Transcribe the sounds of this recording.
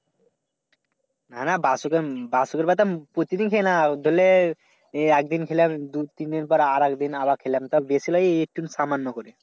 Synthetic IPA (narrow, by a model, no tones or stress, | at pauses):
nanabasukebasukeɾbat̪apɾot̪id̪inkʰenad̪ʱole | ɛk̚d̪inkʰelamd̪ut̪ind̪inpɔɾaɾɛkd̪inaβakʰelamt̪ɔbesilɔek̚ʈunsamanːɔkoɾi